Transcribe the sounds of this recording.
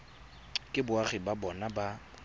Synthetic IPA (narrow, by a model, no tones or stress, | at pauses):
kʼɪbʊaχɪbabɔnaba